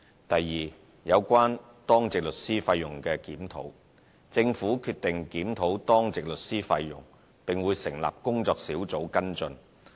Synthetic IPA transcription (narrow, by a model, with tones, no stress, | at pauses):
t̪ɐ˨jːiː˨ | jɐ˨˧wkʷaː˥n | t̪ɔː˥ŋt͡sɪ˨k̚lɵ˨t̚siː˥faː˧jjʊ˨˩ŋkɛː˧kiː˨˥mt̪ʰo̰˨˥w | t͡sɪ˧ŋfuː˨˥kʰyː˧t̪ɪ˨ŋkiː˨˥mt̪ʰo˨˥wt̪ɔː˥ŋt͡sɪ˨k̚lɵ˨t̚siː˥fa˧jːʊ̰˨˩ŋ | pɪ˨ŋwuː˨˧jsɪ˨˩ŋla̰ː˨p̚kʊ˥ŋt͡sɔː˧k̚siː˨˥wt͡so˨˥wkɐ˥nt͡sɵ˧n